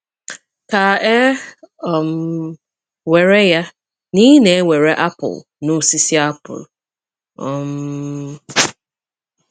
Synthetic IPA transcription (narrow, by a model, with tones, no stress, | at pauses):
ka˨e˦ɔ˨m˨ | we˨ɾe˦ja˦ | ni˦ne˨e˦ŋʷe˨ɾe˦ʔa˦pʊ̰˨l | nʊ˦si˦si˦a˦pʊ̰˨l | ɔ˨m